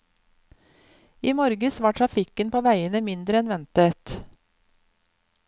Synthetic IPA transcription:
iːmɔɾɡəsʋɑːʈʰɾɑfɪkənpʰoːʋæɪənəmɪnd̪ɾəɛnʋɛnt̪ət̪

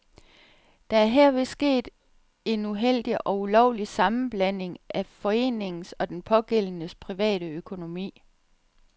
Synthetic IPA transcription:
d̥ɑ̈æɐɦɛɐ̰ʋe̝sɡ̥e̝̰ːd̥ | e̝nuɦel̰d̥iʔɒ̽ulɒʊ̰lisɑ̈mn̩b̥læn̰e̝ŋʔæfɒ̽e̝̰ːne̝ŋn̩sɒ̽d̥enpʰɒ̽ɡ̥el̰nəspʰʁiʋɛ̰ːɾ̥əøkʰo̝no̝mḭː

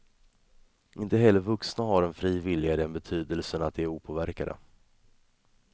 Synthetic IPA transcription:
ʔɪnt̪əɦɛlːəɾvɵksnaɦaɾɛnfɾiːvɪlːɪɡad̪ɛnbɛt̪ʰyːd̪əlsənat̪̚d̪ɛæɾuːpʰoːvæɾkad̪ə̰

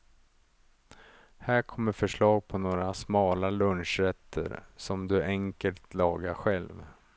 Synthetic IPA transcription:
hæːɾkʰɔmːəɾfœʂɭɑːɡ̚pʰɔnoːɾasmɑːlalɵnʂɾɛt̪ʰːə̰ɾsɔmd̪ɵɛŋkəlt̪lɑːɡaɧɛlv

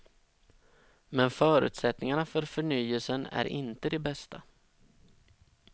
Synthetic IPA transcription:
mɛnfœːɾʉ̟ːt̪sɛt̪nɪŋaɳafœɾfœɳyːəlsənæ̰ɾʔɪ̰nt̪əd̪ɛbɛst̪ʰa

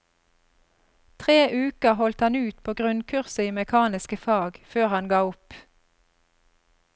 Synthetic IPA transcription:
t̪ʰʁeːʔʉːkəhɔlt̪hɑnʉːt̪pʰoːɡʁʉnkʰʉʁsəiːmɛkʰɑːnɪskəfɑːɡføːʁhɑnɡɑːʊp

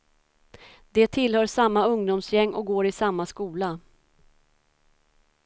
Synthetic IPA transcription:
d̪ɛt̪ʰɪlhœːʂamːaɵŋd̪ʊmsjɛŋːʔɔ̰ɡoːɾɪsamːaskuːla

